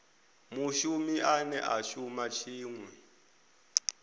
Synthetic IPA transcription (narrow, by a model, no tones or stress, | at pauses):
muʃumiʔanɛʔaʃumat͡ʃʰiːŋwɛ